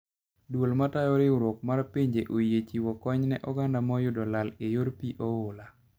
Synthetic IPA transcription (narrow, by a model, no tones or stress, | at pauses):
dwolmatajɔɾɪuɾok̚maɾpiɲd͡ʒeʔojet͡ʃiwɔkɔɲnɛʔɔɡandamɔjʊdɔlalejoɾpiʔɔʊla